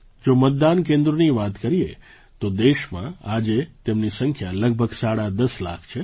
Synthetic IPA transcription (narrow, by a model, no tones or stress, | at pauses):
d͡ʒomət̪̚d̪ank̬ẽnd̪ɾoniʋat̪kəɾiḛ | t̪od̪eʃmã̰ad͡ʒet̪emnisəŋkʰjaləɡ̚bʱəɡsaɽad̪əsla̰kʰt͡ʃʰe